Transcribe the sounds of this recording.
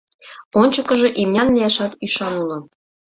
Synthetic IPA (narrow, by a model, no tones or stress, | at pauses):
onʲt͡ɕɤ̆kɤ̆ʒɤ̆ʔimnʲɑnlʲijæʃɑt̪yʃɑnulɤ̆